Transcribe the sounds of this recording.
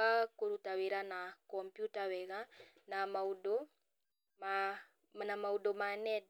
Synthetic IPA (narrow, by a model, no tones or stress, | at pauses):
akoɾutaweɾanakɔmpjutawɛɣa | namaudo | a | namaudomanɛd